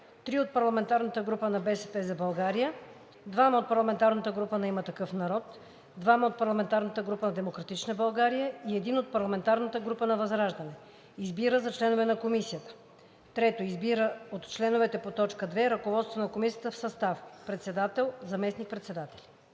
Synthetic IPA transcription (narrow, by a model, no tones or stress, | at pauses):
t̪ɾiot̪̚pɐɾlˠɐmɛnt̪aɾnət̪əɡɾupənɐbɛsɛpɛzɐbɐlˠɡaɾijə | d̪vamɐot̪̚pɐɾlˠɐmɛnt̪aɾnət̪əɡɾupənɛimət̪ɐkɤfnɐɾɔt̪ | d̪vamɐot̪̚pɐɾlˠɐmɛnt̪aɾnət̪əɡɾupənɐd̪ɛmokɾɐt̪it͡ʃnəbɐlˠɡaɾijəiɛd̪inot̪̚pɐɾlˠɐmɛnt̪aɾnət̪əɡɾupənɐvɐzɾaʒd̪ɐnɛ | izbiɾəzɐt͡ʃlɛnovɛnɐkomisijət̪ə̥ | t̪ɾɛt̪oizbiɾəot̪t͡ʃlɛnovɛt̪ɛpot̪ɔt͡ʃkəd̪vɛɾɐkovɔt̪st̪vonɐkomisiət̪əfsɐst̪afpɾɛt̪sɛd̪at̪ɛlˠzɐmɛsnik̚pɾɛt̪sɛd̪at̪ɛ̥lʲi